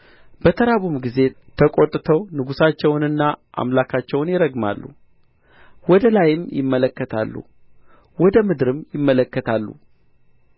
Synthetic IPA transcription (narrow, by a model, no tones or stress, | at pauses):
b̥ət̪ʰəɾaβumɡize̞t̪ʰəkʼot̪ʼːt̪ʰəwnɨɡusat͡ʃːɛwnɨnːaʔa̰mlakʰat͡ʃːɛwnjɪɾəɡma̰lːṵ | wɔd̪əlajɪmjɪ̰mːələkːət̪ʰa̰lːṵ | wɔd̪əmɨd̪ɨɾɨmjɪmːələkːət̪ʰalːṵ